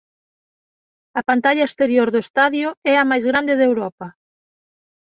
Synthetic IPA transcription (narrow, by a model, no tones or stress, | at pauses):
ɐpant̪aʎɐest̪eɾjoɾðʊest̪aðjʊɛɐmajzɣɾand̪ɪðewɾɔpɐ